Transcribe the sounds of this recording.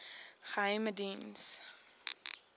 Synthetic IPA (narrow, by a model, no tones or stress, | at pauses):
χəɦəjmədins